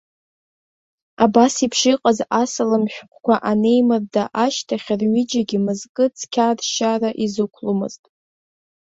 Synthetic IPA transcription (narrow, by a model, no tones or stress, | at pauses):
abasipʰʂiqʼazasɨlɨmħᶣqʷʰkʷaʔane̞jmɨrdaʔaʃtʰaχʲrɥɪd͡ʒaɡʲimɨzkʼɨt͡sʰkʲʰadʃaraʔizɨkʷʰlumɨ̰ztʼ